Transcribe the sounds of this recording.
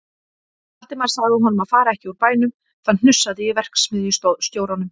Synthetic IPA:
aht̪ɪmaɾ̥saðvɪɦɔnʏmaðfaːɾaɛhcɪuɾpaːjnʏm | θann̥ʏsːaðɪjɛvɛr̥ksmɪðjʏst̪joːwɾanʏm

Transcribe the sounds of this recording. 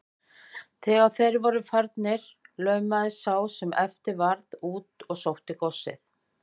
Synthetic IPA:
θɛːɣaθejɾvɔɾʏfaɾt̪nɪɾ̥ | lœːɥmaðɪsaːwsɛmɛft̪ɪɾvaɾðuːt̪ɔɣsowht̪ɪkɔsːɪ̰θ

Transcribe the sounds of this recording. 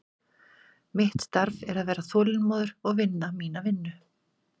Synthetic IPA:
mɪht̪st̪aɾvɛɾaðvɛːɾaθɔːlɪnmɔːðʏɾ̥ɔɣvɪnːamiːnavɪnːʏ

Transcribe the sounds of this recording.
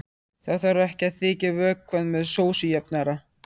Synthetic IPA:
θaɣθvaɾɛhcɪaðθɪːcɪvœːkʰːvaðnmɛðsoːwsʏjɛpnaɾa

